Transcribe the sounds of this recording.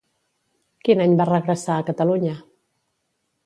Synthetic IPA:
kinaɲbarəɣɾəsaːkət̪əluɲə

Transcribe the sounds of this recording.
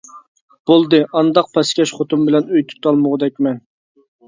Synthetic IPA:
b̥olˠd̪ɨʔɑnd̪ɑq̚pʰɛskʲɛʃχot̪umbɪlɛnøjt̪ʰu̥t̪ɑlˠməʁəd̪ɛkʲmɛn

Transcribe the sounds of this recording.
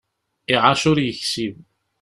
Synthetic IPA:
iʕaʃʊɾjəçsiv

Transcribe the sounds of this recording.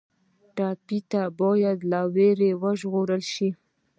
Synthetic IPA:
ʈɑpit̪abɑjad̪laweɾewəʒɣoɾəlʃi

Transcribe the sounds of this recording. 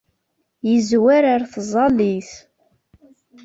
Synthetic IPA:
jəzwæɾaɾθzˤɑliθ

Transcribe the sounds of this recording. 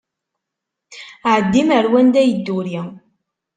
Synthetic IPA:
ʕəd̪ːiməɾwænd̪æjəd̪ːuɾi

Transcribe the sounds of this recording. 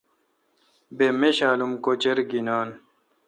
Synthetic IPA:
bemeɕaːlumkot͡ɕeɾɡinaːn

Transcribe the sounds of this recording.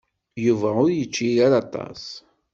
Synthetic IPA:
juvæʊɾjət͡ʃːijaɾɑt̪ˤɑ̰s

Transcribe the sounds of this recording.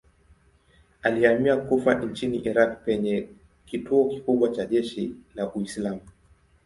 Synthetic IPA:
aliamiakufant͡ʃiniʔiɾak̚pɛɲɛ | kituɔkikuɓwat͡ʃaʄɛʃilaʔuislamu

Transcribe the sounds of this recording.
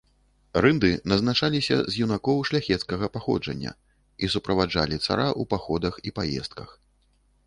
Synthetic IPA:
rɨnd̪ɨnɐznat͡ʂalʲisʲɐ̰zʲjunakɔwʂlʲaxʲɛt̪skɐɣɐpaxɔ̰d͡ʐɐ̰nʲːɐ̰ | isupɾɐvad͡ʐa̰lʲit̪sa̰ɾaʔupaxɔd̪ɐxipajɛ̰st̪̚kɐx

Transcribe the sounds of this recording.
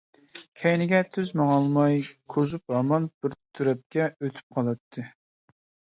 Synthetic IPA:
kʲʰɛjnɪɡʲɛt̪ʰyzmɑŋɑlˠmɑjkʰozup̚ɑmɑnb̥ɪɾt̪ʰyɾɛp̚kʲɛøt̪ʰy̥p̚qʰɑlˠɑt̪ʰːɨ

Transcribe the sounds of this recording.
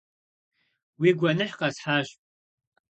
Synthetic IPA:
wiːɡʷɐnɨħqɐsħaːɕʼ

